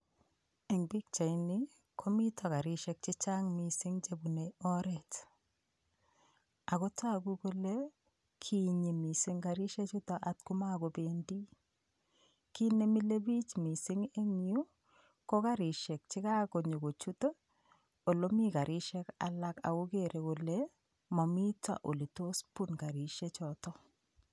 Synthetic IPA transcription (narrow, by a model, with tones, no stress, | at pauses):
e˨ŋbi˦k̚t͡ʃa˨ini˦ | kʰo˦mi˦tʰɔ˨ka˨ɾɪ˦ʃɛ˦k̚t͡ʃi˦t͡ʃa˦ŋmi˨sɪ˦ŋt͡ʃe˦bu˨ne˨ɔ˦ɾɛt | a˨kɔ˦ta˦ku˦ku˦le˦ | kʰi˦ɲi˨mi˨si˦ŋɡa˨ɾi˦ʃɛ˦t͡ʃu˦tɔ˨ʔa˨tku˦ma˦ko˨be˦ndi˦ | ki˦ne˨mi˦le˦bi˦t͡ʃmi˨sɪ˦ŋe˦ŋju˦ | kɔ˦ka˦ɾɪ˨ʃɛ˨k̚t͡ʃɪ˦ka˦ko˨ɲo˨ko˨t͡ʃu˦to˦ | o˨lo˦mi˦ka˨ɾɪ˦ʃɛ˦ka̰˨la˦ka̰˨ku˦keɾe˨ku˨le | mɔ˨mi˦ta̰˨ʔo˨li˨to˦spu˦nka˨ɾi˨ʃe˦t͡ʃɔtɔ˦